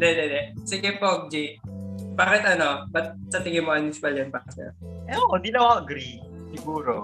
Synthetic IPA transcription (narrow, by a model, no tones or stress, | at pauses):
d̪ɛd̪ɛd̪ɛsɪɡɛpok̚d͡ʒibaːkɪt̪ɐnobɐt̪̚sɐt̪ɪŋɪmoʔɐnɪsɪ̥pɐljɐnpaːsɛ̰ɛood̪inɐwaɐɡɾi | sɪɡuːɾo